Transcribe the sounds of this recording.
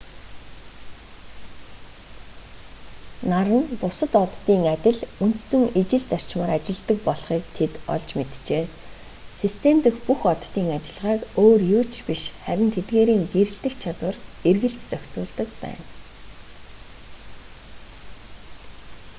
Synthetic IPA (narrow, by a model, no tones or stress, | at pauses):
naɾə̆npʊsə̆t̪ɔt̪ːiːŋat̪ʲɪ̆ɮun̥t̪sɘ̆ŋet͡ɕɪ̆ɮt͡sar̥t͡ɕmaːɾat͡ɕɪ̆ɮt̪ə̆k̚pɔɮχiːkt̪ʰet̪ɔ̰ɮt͡ɕmet̪t͡ɕeː | sist̪ʰemt̪ɘ̆xpuxɔt̪ːiːŋat͡ɕɪ̆ɮʁaːkoːrjuːt͡ɕpiʃχæɾʲɪ̆nt̪ʰet̪ɡeːɾiːŋɡeɾɘ̆ɬt̪ɘ̆kt͡ɕʰat̪wə̆rerɣɘ̆ɬt̪t͡sœkʲt͡sʊːɮt̪ə̆kpæ̰ːn